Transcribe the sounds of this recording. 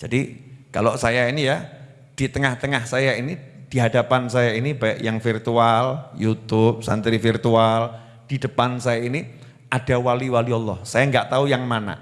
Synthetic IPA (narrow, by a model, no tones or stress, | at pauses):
d͡ʒ̥adikaloʔsajainija | d̥it̪əŋaht̪əŋahsajainid̥iɦadapansajainibaɪʔjaŋfirt̪ualjut̪ʊp̚sa̰nt̪ɾifirt̪ual | d̥id̥əpansajaini | ʔad̥awaliwaliɔlːɔ̰hsajaŋɡaʔt̪aujaŋmana̰